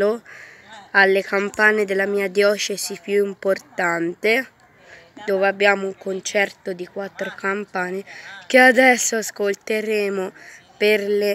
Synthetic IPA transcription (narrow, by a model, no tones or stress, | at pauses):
o | alːekampaːned̪elːamiːad̪jɔːt͡ʃesipjuimport̪ant̪e | d̪oːveabːjaːmouŋkont͡ʃɛrt̪od̪ikwat̪ːɾokampaːnek̟ead̪ɛsːoaskolt̪eɾeːmo | perle